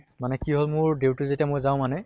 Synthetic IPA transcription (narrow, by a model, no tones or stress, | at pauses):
manɛkiɦolmʊɹdewtʊzetiamojzaʊ̃manɛ